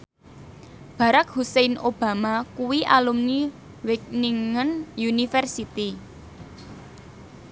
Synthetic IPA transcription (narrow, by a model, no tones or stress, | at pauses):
b̥a̤ɾak̚husejnʔob̥a̤makuwiʔalumni | wɪk̚niŋənjunifɛrsit̪i